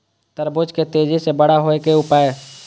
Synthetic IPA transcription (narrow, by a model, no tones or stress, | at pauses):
t̪əɾbʊd͡ʒket̪eːd͡ʒisebəɽ̤aɦoekeʊpaːe